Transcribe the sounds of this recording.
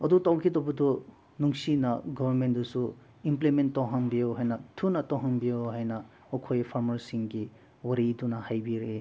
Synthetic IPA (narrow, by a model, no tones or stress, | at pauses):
ɐdutawkʰidɔbɐdu | nuŋsinɐɡɔbɐɾmentdusu | implementːawɦaŋbijoɦajnɐtʰunɐtɔwɦaŋbijoɦajnɐ | ɔkʰojpʰaɾmɐɾsiŋɡi | wɐɾidunɐhajbiɾe